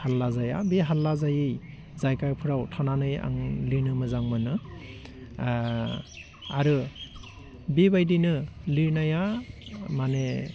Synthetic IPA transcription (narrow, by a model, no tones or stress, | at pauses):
halːazaja̰beɦalːazajɯj | zajkaɾpʰɯɾawtʰananɯja̰ŋliɾnɯmɯzaŋmɯnɯ | aɾɯ | bebajdinɯliɾnaja | mane